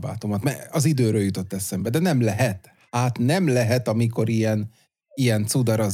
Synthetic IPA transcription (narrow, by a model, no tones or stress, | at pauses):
ba̰ːt̪omɒt̪mɛɒzid̪øːɾøːljut̪o̞t̪ːɛsɛmbɛd̪ɛnɛmlɛɦɛt̪ | haːt̪nɛmlɛɦɛt̪ɒmiko̞ɾijɛn | ijɛnt̪sud̪ɒɾɒ